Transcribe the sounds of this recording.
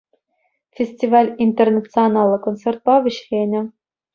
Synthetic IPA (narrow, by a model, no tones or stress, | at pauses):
fʲesʲtʲivɑlʲint̪ʲernat̪t͡sɨanɑlˠːɤ̆kont͡ssʲert̪̚pɑʋʲɘ̆ɕχʲenʲɘ̆